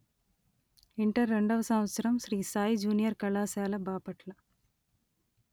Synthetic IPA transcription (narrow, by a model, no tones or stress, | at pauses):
iɳʈɐɾːeɳɖɐʋɐsɐmʋɐt̪sɐɾɐmʃɾiːsaːjd͡ʒuːnijɐɾkɐɭaːsaːlɐbaːpɐʈlɐ